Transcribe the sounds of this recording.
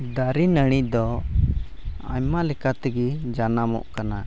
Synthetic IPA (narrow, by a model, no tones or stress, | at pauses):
d̪aɾinəɽ̃ic̚d̪ɔ | a̰ɲmalɛkat̪ɛɡid͡ʒanamɔ̰ʔkana